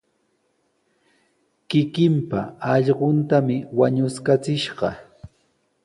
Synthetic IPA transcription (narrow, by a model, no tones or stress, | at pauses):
kɪkɪmpa̰ɑʎɢont̪amɪwaɲʊskat͡sɪʃɢɑ̰